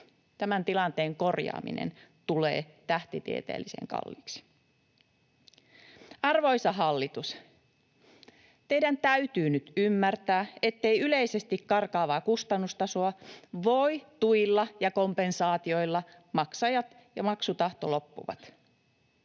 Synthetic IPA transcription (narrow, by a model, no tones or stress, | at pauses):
t̪æmænt̪ilɑnt̪eːŋko̞rjɑ̰ːmḭnḛnt̪ule̞̰ːt̪æht̪it̪ḭet̪ḛːlːisḛŋkɑ̰lːiːksi̥ | ɑrʋo̞isɑɦɑlːit̪us | t̪e̞idænt̪æyt̪yːnyt̪ymːært̪æːe̞t̪ːe̞iyle̞ise̞st̪ikkɑrkɑːʋɑːkust̪ɑnːust̪ɑso̞ɑʋo̞it̪uilːɑjɑkompe̞nsɑːt̪io̞ilːɑ | mɑksɑjɑt̪ | jɑmɑksut̪ɑht̪olo̞pːṵʋɑ̰t̪